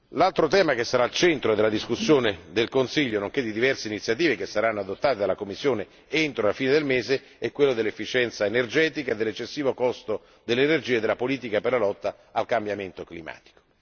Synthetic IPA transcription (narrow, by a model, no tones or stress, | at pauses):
lalt̪ɾot̪ɛːmakesːaɾaːlt͡ʃɛnt̪ɾoed̪elad̪iskusːjoːned̪elkonsiʎːonoŋk̟ed̪id̪ivɛrseinit̪sːjat̪̬iːvekesːaɾanːoad̪ot̪ːaːt̪ed̪alːakomːisːjoːne | ent̪ɾolafiːned̪elmeːze | ɛkːwelːod̪elːefːit͡ʃɛnt̪saenerd͡ʒɛːt̪ikaed̪ːelːet͡ʃːesːiːvokɔst̪o | d̪elːenerd͡ʒiːaed̪ːelapoliːt̪ikaperlalɔt̪ːa | alkambjament̪oklima̰ːt̪i̥ko̥